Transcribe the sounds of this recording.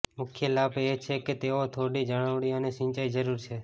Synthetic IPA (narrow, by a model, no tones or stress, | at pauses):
mʊkʰjelabet͡ʃʰeket̪eot̪ʰoɽid͡ʒəɽ̃əʋɽiəneʃɪ̃nt͡ʃaid͡ʒəɾuɾt͡ʃʰe